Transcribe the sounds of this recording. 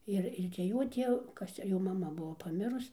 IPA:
ˈɪr ɪr t͡sʲɛ ˈjoː ˈtʲiɛw ˈkɐs t͡sʲɛ ˈjoː mɐˈmɐ ˈbuɔ pɐˈmʲɪrʊs

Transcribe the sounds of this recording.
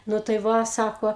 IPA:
ˈnʊ tɐɪ ˈʋɐ ˈsɑːkoː

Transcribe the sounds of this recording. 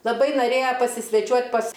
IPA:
lˠɐˈbɐɪ noːˈrʲeːjɛ pɐsʲɪsʲʋʲɛˈt͡ʃʲuɔtʲ pɐs

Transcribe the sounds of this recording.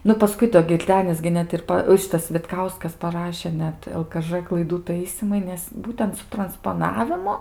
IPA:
ˈnʊ pɐˈskʊɪ doː ɡʲɪrʲˈdʲæːnʲɪs ɡʲɪ ˈnʲɛt ɪr ˈpɐ ˈʃʲɪtɐs ʋʲɪtˈkɐʊskɐs pɐˈrɑːʃʲeː ˈnʲɛt ɛlˠ kɐ ˈʒɘ klˠɐɪˈduː ˈtɐɪsʲiːmɐɪ ˈnʲɛs ˈbuːtʲɛnt sʊ trɐnspoːˈnɑːʋʲɪmʊ

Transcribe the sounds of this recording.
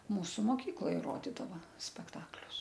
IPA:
ˈmuːsʊ moːˈkʲiːklˠoːj ˈroːdʲɪdɐʋɐ sʲpʲɛkˈtɑːklʲʊs

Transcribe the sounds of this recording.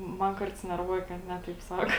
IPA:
ˈmɐn ˈkɐrts nʲɛrˈʋuɔjɛ kɐt ˈnʲɛ tɐɪp ˈsɑːkoː

